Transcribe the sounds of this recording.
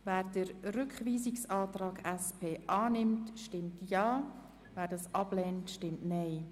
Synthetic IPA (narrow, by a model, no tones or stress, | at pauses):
væːɾdəɾɾʏkχʋiːzɪksɑːtrɑːɡɛspʰeːʔɑːnɪmtʃtɪmtjɑː | væːɾdɑsʔɑb̥lɛːntʃtɪmtnɛɪ